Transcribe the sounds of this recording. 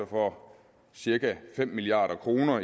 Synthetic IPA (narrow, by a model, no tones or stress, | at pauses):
ɐfɒ | siɐkæfem̰ːiliɑ̰̈ːɾ̥ɐkʰʁo̝ːnɐ